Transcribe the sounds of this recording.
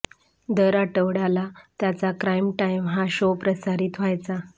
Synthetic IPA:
d̪əɾaʈəʋɽalat̪jat͡sakɾajmʈajmɦaɕopɾəsaɾiːt̪ʋajt͡sa

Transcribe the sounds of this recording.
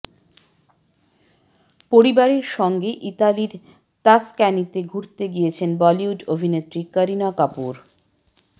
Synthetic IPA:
poɾibaɾeɾʃɔŋɡeʔit̪aliɾ | t̪askɛnit̪eɡʱuɾt̪eɡijet͡ɕʰenbɔliuɖobʱinet̪ːɾikəɾinakapuɾ

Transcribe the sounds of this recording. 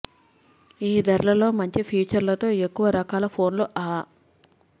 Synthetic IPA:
iːd̪ɐɾlɐlo̞ːmɐɲt͡ʃipʰiːt͡ʃɐɾlɐt̪o̞ːe̞kːuʋɐɾɐkaːlɐpʰo̞ːnluʔaː

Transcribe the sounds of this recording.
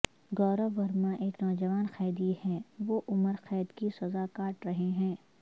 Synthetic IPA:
ɡɔːɾəʋɐɾmãʔeːknɔːd͡ʒɐʋaːnxɛːd̪ihɛ̃ʋoʔʊməɾxɛːd̪kisɐzakaːʈɾɐɦeɦɛ̃ː

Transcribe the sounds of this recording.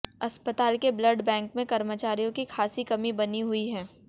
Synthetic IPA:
ɐspət̪aːlkeblɐɖbɛ̃ːŋkmẽkɐɾmət͡ʃaːɾijõkixʰaːsikɐmibɐniɦʊiɦɛ̃ː

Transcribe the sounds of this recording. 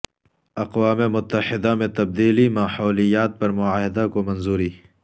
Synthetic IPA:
ɐqwaːmemʊt̪ːɐħɪd̪amẽt̪ɐb̚d̪iːlimaːħɔːlijaːt̪̚pɐɾmʊaːɦɪd̪akomɐnzuːɾiː

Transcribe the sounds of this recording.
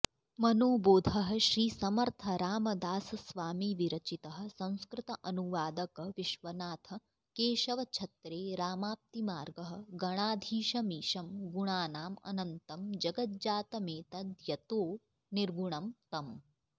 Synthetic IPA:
mɐnoːboːd̪ʱɐɦɐ̆ʃɾiːsɐmɐɾt̪ʰɐɾaːmɐd̪aːsɐsʋaːmiːʋiɾɐt͡ʃit̪ɐɦɐ̆sɐ̃w̃skɾɪt̪ɐʔɐnuʋaːd̪ɐkɐʋiʃʋɐnaːt̪ʰɐ̆ | keːʃɐʋɐt͡ʃʰɐt̪ɾeːɾaːmaːp̚t̪imaːɾɡɐɦɐ̆ɡɐɽ̃aːd̪ʱiːʃɐmiːʃɐmɡuɳaːnaːmɐ̰nɐnt̪ɐmd͡ʒɐɡɐt̪̚d͡ʒaːt̪ɐmeːt̪ɐd̪jɐt̪oː | niɾɡuɳ̃ɐmt̪ɐm

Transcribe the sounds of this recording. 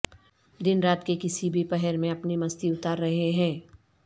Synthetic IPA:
d̪ɪnɾaːt̪kekɪsibʱipɛɦɛɾmẽɐpnimɐst̪iʊt̪aːɾːɐɦeɦɛ̃ː

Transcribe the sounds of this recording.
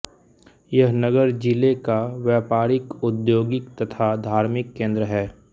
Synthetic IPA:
jɐɦnəɡəɾd͡ʒɪlekaʋjɛːpaːɾɪkʊd̪joːɡɪkt̪ɐt̪ʰad̪ʱaːɾmɪkːẽːnd̪ɾəɦɛː

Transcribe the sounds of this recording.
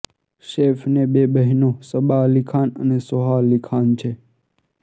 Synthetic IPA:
ʃeːfneɓebəɦinosəɓalikʰaːnənesoɦalikʰaːnt͡ʃʰe

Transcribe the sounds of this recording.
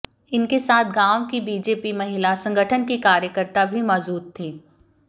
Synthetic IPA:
ɪnkesaːt̪ʰɡãːwkibiːd͡ʒeːpimɐɦɪlasɐ̃ŋɡəʈʰənkikaːɾjəkəɾt̪abʱimɔːzuːt̪ʰːiː

